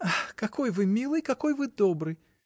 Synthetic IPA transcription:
axkɐkʰojvɨmʲilˠɨjkɐkojvɨd̪obɾɨj

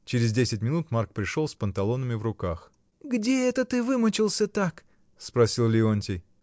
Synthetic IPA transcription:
t͡ɕɪɾʲɪzdʲesʲɪt̚ʲmʲɪnut̪mark̚pɾʲɪʂolˠspənt̪ɐlˠo̞nəmʲɪvrʊkax | ɡdʲeɛt̪ət̪ɨvɨmət͡ɕɪlˠsʲət̪ak | spɾɐsʲilˠlʲɪonʲtʲɪj

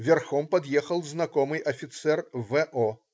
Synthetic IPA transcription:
vʲarxɔmpɐd̪jɛxɐlˠznakɔmɨjʔɐfʲit̪sɛrvɛʔɔ

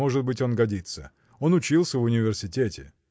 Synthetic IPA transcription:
o̞ʐɨt̪̚bɨtʲo̞nɡɐdʲit̪sə | o̞nʊt͡ɕilˠsʲəvʊnʲɪvʲɪrsʲɪtʲetʲɪ̰

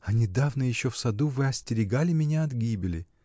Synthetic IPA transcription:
ɐnʲɪd̪avnəjɪɕːofsɐd̪uvɨɐsʲtʲɪɾʲɪɡalʲɪmʲɪnʲaɐd̪ɡʲibʲɪlʲɪ̰

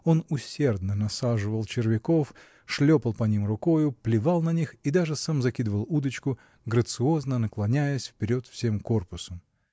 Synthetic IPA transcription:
o̞nʊsʲe̞rd̪nənɐsaʐɨvəlˠt͡ɕɪrvʲɪko̞f | ʂlʲopəlˠpɐnʲimrʊkojʊplʲɪvalˠnɐnʲixid̪aʐɨsamzɐkʲid̪əvəlˠud̪ət͡ɕkʊ | ɡɾət̪sɨo̞znənəklˠɐnʲæjəsʲfpʲɪɾʲo̞t̪fsʲe̞mko̞rpʊsəm

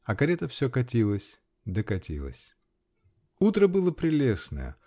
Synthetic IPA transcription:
ɐkɐɾʲet̪əfsʲokɐtʲilˠəsʲ | d̪əkɐtʲilˠə̰sʲ | ut̪ɾəbɨlˠəpɾʲɪlʲesnə̰jə̰

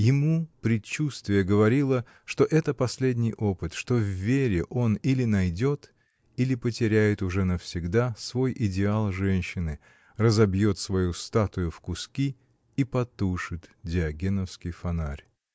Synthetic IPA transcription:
jɪmupɾʲɪt͡ɕːust̪vʲɪjəɡəvɐɾʲilˠə | ʂt̪o̞ʔɛt̪əpɐsʲlʲedʲnʲɪjʔo̞pɨt̪ʂt̪o̞vːʲeɾʲɪʔo̞nilʲɪnɐjdʲo̞t̪ | ilʲɪpətʲɪɾʲæjɪt̪ʊʐɛnəfsʲɪɡd̪asvo̞jʔɪdʲɪalˠʐɛnʲɕːɪnɨ | rəzɐbjo̞t̪svɐjust̪at̪ʊjʊfkʊskʲi | ipɐt̪uʂɨt̪dʲɪɐɡʲenəfskʲɪjfɐnarʲ

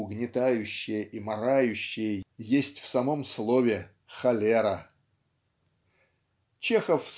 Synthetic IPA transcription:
ʊɡnʲɪt̪ajʉɕːɪjəʔimɐɾajʉɕːɪjəjesʲtʲfsɐmo̞mslˠo̞vʲɪ | xɐlʲeɾə | t͡ɕexəfs

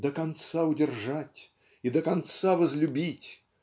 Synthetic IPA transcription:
d̪əkɐnt̪saʊdʲɪrʐatʲ | id̪əkɐnt̪savəzlʲʊbʲitʲ

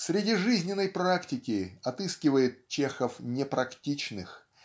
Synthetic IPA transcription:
sʲɾʲɪdʲiʐɨzʲnʲɪnːəjpɾaktʲɪkʲɪɐt̪ɨskʲɪvəjɪt̪̚t͡ɕexəfnʲɪpɾɐktʲit͡ɕnɨx

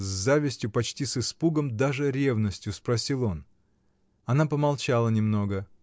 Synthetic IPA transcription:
zʲzavʲɪsʲtʲjʊpɐt͡ɕtʲisɨspuɡəmd̪aʐɨɾʲe̞vnəsʲtʲjʊspɾɐsʲilˠo̞n | ɐnapəmɐlˠt͡ɕalˠənʲɪmno̞ɡə

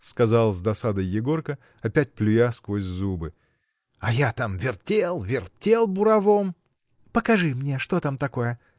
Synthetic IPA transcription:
skɐzalˠzd̪ɐsad̪əjːɪɡo̞rkə | ɐpʲæt̚ʲplʲʊjaskvo̞sʲzubɨ | ɐjat̪amvʲɪrtʲelˠvʲɪrtʲelˠbʊɾɐvom | pəkɐʐɨmnʲeʂt̪o̞t̪amt̪ɐko̞jə

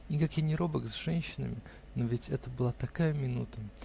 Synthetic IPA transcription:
nʲɪkakjɪnʲɪɾo̞bəkzʐɛnʲɕːɪnə̰mʲɪ | novʲɪtʲɛt̪əbɨlˠat̪ɐkajəmʲɪnut̪ə

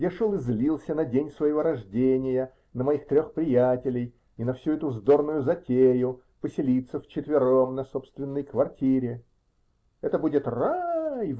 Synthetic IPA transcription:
dʲeʂolˠɪzʲlʲilˠsʲənɐdʲenʲsvəjɪvo̞ɾɐʐdʲenʲɪjə | nəmɐixt̪ɾʲo̞xpɾʲɪjætʲɪlʲɪj | ɪnɐfsʲuɛt̪ʊvzd̪o̞rnʊjʊzɐtʲejʊ | pəsʲɪlʲit̪səft͡ɕɪt̪vʲɪɾo̞mnɐso̞pst̪vʲɪnːəjkvɐrtʲʰiɾʲɪ | ɛt̪əbudʲɪt̪raj

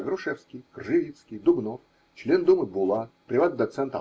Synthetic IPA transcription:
ɡɾʊʂɛfskʲɪjkrʐɨvʲit̪skʲɪjd̪ʊbno | t͡ɕlʲend̪umɨbʊlˠapɾʲɪvat̪̚d̪ɐt̪sɛnt̪ɐ̰

